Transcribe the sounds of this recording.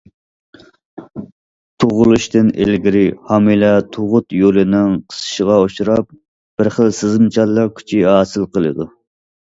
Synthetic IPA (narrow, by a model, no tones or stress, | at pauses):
t̪ʰoʁʊlˠuʃt̪ɪnḛlɡʲiɾɪhɑmilɛt̪ʰoʁʊt̪jolɨnɪŋqʰə̥sɨ̥ʃəʁɑoʃuɾɑp̚ | b̥ɪɾχəlˠsɪzɨmt͡ʃʰɑlˠːɑɾkʲʰy̥t͡ʃʰihɑːsɨlˠqəlˠɨ̰d̪u